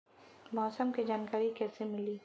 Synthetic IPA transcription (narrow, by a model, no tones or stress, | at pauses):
mɔːsəmkid͡ʒaːnkaːɾikɛːsemɪliː